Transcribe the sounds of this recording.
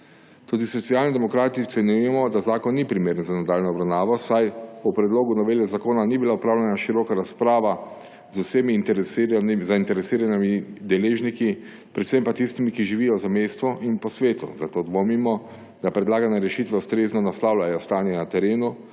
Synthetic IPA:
t̪uːd̪isɔt̪siaːlnid̪ɛmɔkɾaːt̪it̪ɛnʲjujɛmɔd̪azaːkɔnːipɾimeːɾənzanad̪aːlnɔɔbɾawnaːʋɔsajupɾɛd̪loːɡunɔʋeːlɛzakoːnanibilaupɾaːwlʲɛnaʃiɾɔkaɾaspɾaːʋa | zʊseːmint̪ɛɾɛsɾnzaint̪ɛɾɛsiːɾanimid̪ɛleːʒniki | pɾɛt̪sempat̪ist̪imikiʒiʋijɔzamejst̪ʋɔʔinpɔsʋeːt̪ṵzat̪oːd̪ʋomimɔ | d̪apɾɛd̪laːɡanɛɾɛʃit̪ʋɛust̪ɾeːznɔnaslaːwlʲajɔst̪aːnjɛnat̪ɛɾeːnu

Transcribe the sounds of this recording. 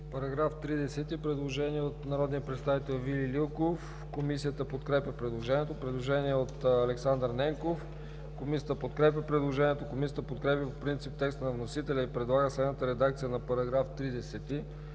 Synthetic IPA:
pɐɾɐɡɾaft̪ɾid̪ɛsɛt̪ipɾɛd̪lˠoʒɛniɛot̪nɐɾɔd̪niəpɾɛt̪st̪avit̪ɛlˠvilʲilʲilˠkof | komisijət̪əpot̪kɾɛpʲjɐpɾɛd̪lˠoʒɛniɛt̪opɾɛd̪lˠoʒɛniɛot̪ɐlɛksand̪ɾnɛŋkof | komisʲijət̪əpot̪kɾɛpʲjəpɾɛd̪lˠoʒɛniɛt̪okomisijət̪əpot̪kɾɛpʲjɐpopɾint̪sip̚t̪ɛkst̪ənɐvnosit̪ɛlʲɛipɾɛd̪lˠaɡəslɛd̪nət̪əɾɛd̪ak̚t̪sijənɐpɐɾɐɡɾaft̪ɾid̪ɛsɛt̪i

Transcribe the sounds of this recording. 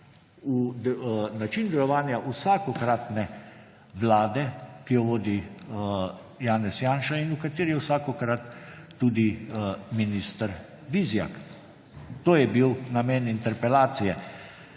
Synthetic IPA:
u | nat͡ʃind̪ɛlɔʋaːnjaʔusakɔkɾat̪nɛ | ʋlaːd̪ɛkijɔʋoːd̪i | jaːnɛsjaːnʃainukat̪eːɾiɛwsaːkɔkɾat̪ːuːd̪iminist̪əɾ | ʋizja̰k | t̪oːjɛbiwnamɛːnint̪ɛɾpɛlaːt̪sijɛ

